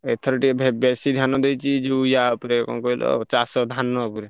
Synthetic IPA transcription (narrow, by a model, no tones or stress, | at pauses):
et̪ʰɔɾiʈibʱbɛsid̪ʱjanɔd̪ejt͡ʃʰid͡ʒeujapuɾekɔ̰kɔilʔɔ̰t͡ʃasɔd̪ʱanːɔpuɾe